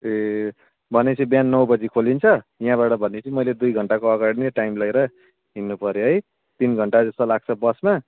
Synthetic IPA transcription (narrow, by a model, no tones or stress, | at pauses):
e | bʱʌnet͡sʰĩbjanːʌwbʌd͡zikʰolint͡sʰʌjɦãβaʈʌbʱʌnːet͡sʰĩmʌjled̪ujɡʱʌɳʈakoʌɡaɽineʈajmlʌeɾʌ | ɦinːupʌɾjoɦʌj | t̪inɡʱʌɳʈad͡zʌst̪ʌlaɡ̚t͡sʰʌbʌsma